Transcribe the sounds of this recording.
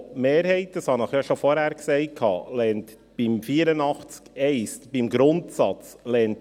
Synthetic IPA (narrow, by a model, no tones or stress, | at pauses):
meːɾhɛɪt̚d̥ɑshɑnəχjɑʃofɔɾhæːɾksɛɪkʰɑ̰ːlɛnt | b̥imfiːəɾənɑχt͡skɛɪstb̥imɡɾʊntsɑt͡slɛnt